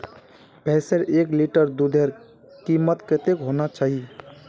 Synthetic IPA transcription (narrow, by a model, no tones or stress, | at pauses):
pɛsəɾʔekliʈəɾd̪ud̪ʱeɾ | kimət̪ket̪ekɦonat͡ʃaːɦi